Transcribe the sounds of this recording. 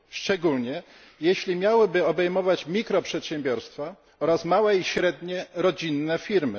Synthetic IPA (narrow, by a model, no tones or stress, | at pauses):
ʂt͡ʂɛɡulɲɛ | jeɕlʲimʲjawɘbɘɔbɛjmɔvat͡ɕmʲikɾɔpʂɛt̪ɕɛ̃mbʲjɔɾst̪fa | ɔɾasmawɛiɕɾɛd̪ɲɛɾɔd͡ʑinːɛfʲiɾmɘ